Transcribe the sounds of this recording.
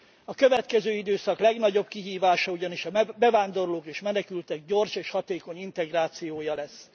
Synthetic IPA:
ɒkøvɛt̪kɛzøːid̪øːsɒklɛɡnɒɟo̞bkiɦiːvaːʃɒuɟɒniʃɒbɛvaːnd̪o̞rloːkeːʃmɛnɛkylt̪ɛɡ̚ɟo̞rʃeːʃhɒt̪eːko̞ɲint̪ɛɡraːt̪sijoːjɒlɛsː

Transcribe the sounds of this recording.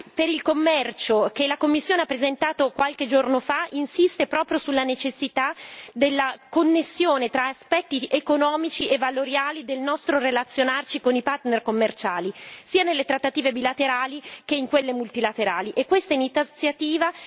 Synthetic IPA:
peɾilkomːɛrt͡ʃokelakomːisːjoːneapːɾezent̪aːt̪okwalked͡ʒornofaʔinsist̪epɾɔːpɾjosulːanet͡ʃesːit̪ad̪elːakonːesːjoːnet̪ɾaaspɛt̪ːiekonɔːmit͡ʃievːaloɾjaːlid̪elnɔst̪ɾorelat̪sːjonart͡ʃikonipart̪nerkomːert͡ʃaːlisiːanelːet̪ɾat̪ːat̪iːvebilat̪eɾaːlik̟eiŋkwelːemult̪ilat̪eɾaːliʔekːwest̪ainit̪sjat̪iːva

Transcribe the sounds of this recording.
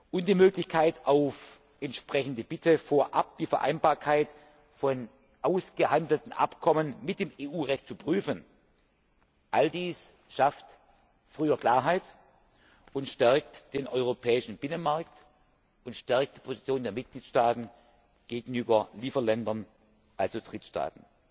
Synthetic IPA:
ʔʊmd̥iːmøːklɪçkʰaɪtaʊf | ʔɛntʃpʁ̥ɛçn̩dəb̥ɪtʰəfoːɐʔa̰p̚d̥iːfɛɐʔa̰ɪnbaːɐkʰaɪt | fɔn | ʔaʊsɡ̥əhandl̩tn̩ʔa̰pkʰɔmənmɪt̚d̥eːmeːʔuːʁɛçtt͡supʁ̥yːfən | ʔaldiːs | ʃaft | fʁ̥yːɐkl̥aːɐɦaɪt | ʊntʃtɛɐk̚td̥eːnʔɔʏʁopʰɛːɪʃn̩b̥ɪnənmaɐk̚t | ʊntʃtɛɐk̚t̚d̥iːpʰozit͡sjoːndeːɐmɪt̚ɡ̥liːtʃtaːtn̩ | ɡ̥eːɡŋ̩yːbɐliːfɐlɛndɐn | ʔalzod̥ʁ̥ɪtʃta̰ːtn̩

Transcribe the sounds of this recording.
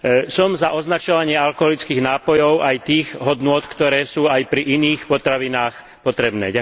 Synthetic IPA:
sɔmzaʔɔznat͡ʃɔʋaɲɪɛalkɔɦɔlit͡skiːɣnaːpɔjɔʊʔajt̪iːɣɦɔd̪nʊɔt̪kt̪ɔɾɛːsuːajpɾiʔiniːxpɔt̪ɾaʋinaːx | pɔt̪ɾɛbnɛ̰ːɟa

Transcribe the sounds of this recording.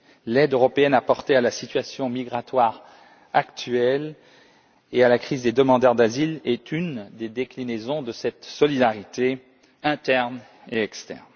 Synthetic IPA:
lɛd̪øʁɔpeɛnapɔʁt̪ealasit̪ɥasjɔ̃miɡʁat̪waʁ | akt̪ɥɛl | ealakχizd̪ed̪əmɑ̃d̪œʁd̪azilɛt̪ynd̪ed̪eklinezɔ̃d̪əsɛt̪sɔlid̪aʁit̪e | ɛ̃t̪ɛʁn | eɛkst̪ɛ̰ʁn

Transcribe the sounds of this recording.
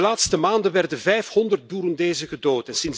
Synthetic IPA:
əlaːtstəmaːndənʋɛrdənvɛjfhɔndərt̚buːɾəndeːzəɣədoːtɛnsɪn

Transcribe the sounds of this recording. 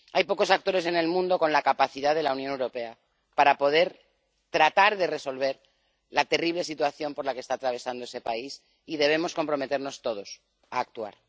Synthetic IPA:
ajpo̞ko̞sakt̪o̞ɾe̞se̞ne̞lmũnd̪o̞ko̞nlakapaθiðaðe̞launjonewɾo̞pe̞a | paɾapo̞ð̞e̞ɾ | t̪ɾat̪aɾðe̞re̞so̞lβ̞e̞ɾ | lat̪e̞riβ̞le̞sit̪waθjo̞mpo̞ɾlakest̪aːt̪ɾaβ̞e̞sand̪oese̞pais | ið̞e̞β̞e̞mo̞sko̞mpɾo̞me̞t̪e̞ɾno̞st̪o̞ð̞o̞s | a̰ːk̚t̪ua̰ɾ

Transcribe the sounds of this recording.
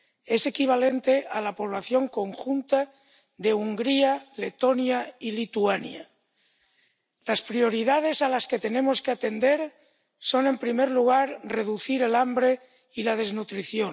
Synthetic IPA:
e̞se̞kiβ̞ale̞nt̪e̞ʔalapo̞β̞laθjo̞ŋko̞ŋxunt̪a | ðe̞uŋɡɾiale̞t̪o̞njailit̪uanja̰ | laspɾio̞ɾiðað̞e̞salaske̞t̪e̞nẽ̞mo̞skeat̪e̞nd̪e̞ɾ | so̞ne̞mpɾimeɾluɣ̞aɾreðuθiɾe̞lambɾe̞ | ilað̞e̞znut̪ɾiθjo̞

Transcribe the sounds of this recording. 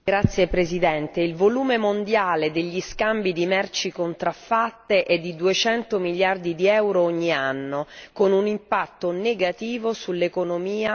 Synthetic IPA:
ɡɾat̪sːjepɾezid̪ɛnt̪eilvoluːmemond̪jaːled̪eʎːiskambid̪imɛrt͡ʃikont̪ɾafːat̪ːeʔɛd̪ːid̪uet͡ʃɛnt̪omiljard̪id̪iɛwɾooɲːianːokonunimpat̪ːoneɡat̪iːvosulːekonomiːa

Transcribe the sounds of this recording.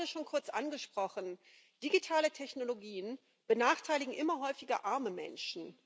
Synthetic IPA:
dəʃoːnkʰʊɐt͡sʔanɡəʃpʁ̥ɔχən̩ | d̥iɡitʰaːlətʰɛçnoloɡiːən | b̥ənaːχtʰaɪlɪɡŋ̩ʔɪmɐɦɔʏfɪɡɐʔaɐməmɛ̰nʃn̩

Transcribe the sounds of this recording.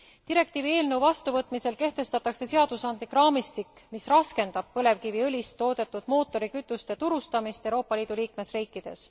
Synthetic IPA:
t̪iɾe̞k̚t̪iːvie̞ːlnewvɑst̪uvɤt̪ːˑmise̞lke̞ht̪e̞st̪ɑt̪ːˑɑkse̞se̞ɑd̪̥usɑnd̪̥likrɑːmist̪ikː | misrɑske̞nd̪̥ɑb̥̚pɤle̞vkiviɤlʲist̪ːo̞ːd̪̥e̞t̪ːˑud̪̥mo̞ːt̪ːˑo̞ɾikyt̪ːˑust̪e̞t̪uɾust̪ɑmist̪e̞wɾo̞ːpːɑliːd̪̥uliːkme̞sriːkˑːid̪̥e̞̰s

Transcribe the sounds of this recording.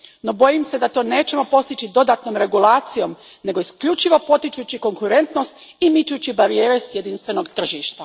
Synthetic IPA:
no̞bo̞jimse̞d̪at̪o̞ːne̞ːt͡ɕe̞mo̞po̞st̪it͡ɕid̪o̞d̪at̪no̞mɾe̞ɡulˠaːt̪sijo̞m | ne̞ɡo̞iskʎut͡ʃiʋo̞po̞t̪it͡ʃut͡ɕiko̞ŋkuɾe̞nt̪no̞st̪imit͡ʃut͡ɕibaɾije̞ːɾesjed̪inst̪ʋe̞no̞ɡt̪r̩ʒiːʃt̪a

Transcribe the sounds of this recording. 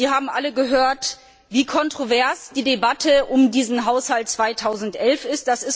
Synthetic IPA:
ziːɐhaːbm̩ʔaləɡəɦøːɐt | viːkʰɔntʁ̥ovɛɐsd̥iːdebatʰəʔʊmdiːzn̩ɦaʊshalt̚t͡sv̥aɪtʰaʊzn̩tʔɛlfɪst̚d̥asɪs

